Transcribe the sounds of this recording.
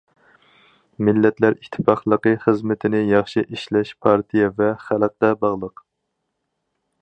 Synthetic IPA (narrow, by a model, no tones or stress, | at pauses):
mɪlːɛt̪ʰlæɾit̪ʰːɪ̥pɑχlˠəqəχəzmɪt̪ʰɪnɪjɑχʃiʔiʃlɛʃpʰɑɾt̪ʰijɛvɛχælˠq̚d̪ɛbɑʁlˠəq